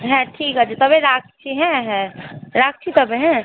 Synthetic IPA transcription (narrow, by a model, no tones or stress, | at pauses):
ɦɛ̃ʈʰiːkɦad͡ʒet̪ɔbẽɾaːk̚t͡ʃʰiɦɛ̃ɦɛ̃ɾak̚t͡ʃʰit̪ɐbeɦɛ̃